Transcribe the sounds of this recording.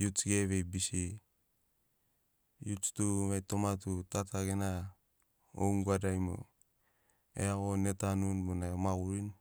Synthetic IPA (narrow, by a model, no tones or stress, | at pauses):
jut͡ʃɡeβebisi | jut͡ʃtuβajtomatutataɡena | o̰ŋɡuadajmo̰ | ḛaɣonetanunbonaomaɣuɾin